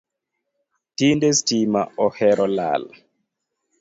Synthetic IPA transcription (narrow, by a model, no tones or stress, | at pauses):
tindɛstimaɔhɛɾʔɔla̰l